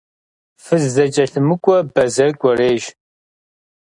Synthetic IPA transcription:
fɨzːɐt͡ʃʼɐɬɨmɨkʷʼɔbɐzɐrkʷʼɔreːʒ

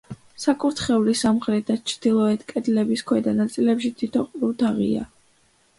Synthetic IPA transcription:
sakʼuɾt̪ʰχɛulisamχɾɛt̪̚at͡ʃʰɾd̪̥ilˠɔɛt̪ʰkʼɛd̪lɛbiskʰwɛd̪anat̪sʼilɛpʃit̪ʰit̪ʰɔqʼɾut̪ʰaʁḭa̰

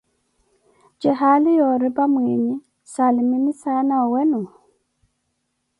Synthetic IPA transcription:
d͡ʒɛɦalijɔɾibamweɲi | salimimisaːnaɔwɛnɔ

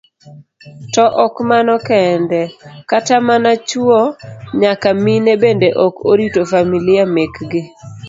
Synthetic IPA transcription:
tɔʔɔkmanɔkɛndɛkatamanat͡ʃuoɲakaminebendeʔɔkoɾitofamilɪamekɡɪ

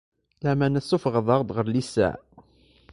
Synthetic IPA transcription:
læmænæsufʁəðˤɑʁd̪ʁəɾlisːæ̰

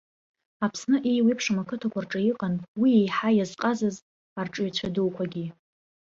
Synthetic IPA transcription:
apʰsnɨʔejwipʰʂamakʰɨtʰakʷʰarʈ͡ʂʼajiqʼanwiejħajazqʼazɨz | arʈ͡ʂʼɥt͡ɕʷʰaduwkʷʰaɡʲi

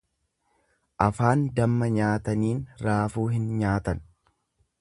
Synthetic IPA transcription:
ʔɐfaːnd̪ɐmːɐɲaːt̪ɐniːnɾaːfuːɦɪnɲaːt̪ɐn

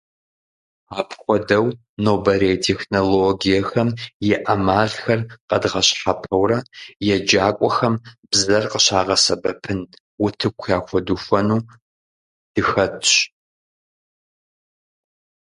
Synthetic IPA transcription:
aːpʰxʷɔdɐw | noːbɐɾejtʰeːxnoloɡijɛxɐmjɛʔɐmaːɮxɐrqɐdʁɐɕħapʰɐwɾɐjɛd͡ʒaːkʷʼɔxɐmbzɐrqəɕaːʁɐsɐbɐpʰɨn | wʊtʰɨkʷʰjaːxʷɔdufʷɐnuː | d̥ɨxɐtʰɕ

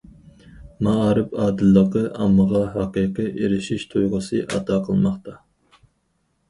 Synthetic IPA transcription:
mɑɑɾɨpɑːd̪ɨlːəqəʔɑmːəʁɑɦɑqijqɨʔeɾɪʃiʃt̪ʰujʁʊsɨʔɑ̰t̪ʰɑqʰəlˠmɑχt̪ʰɑ

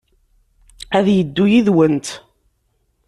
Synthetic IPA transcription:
æðjəd̪ːujiðwənt̪

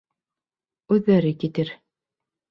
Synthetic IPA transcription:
ʉðːæɾɘkit̪ɘɾ

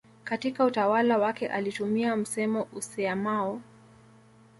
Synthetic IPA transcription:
katikautawalawakɛʔalitumiam̩sɛmɔʔusɛamaɔ

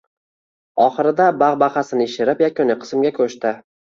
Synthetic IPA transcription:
ɒχɨɾɪd̪abaʁbaχasɪnɪɪʃɪɾɪpjakʰʲʊnɪqʰɨ̥smɡʲakʲʰɵʃt̪ɪ

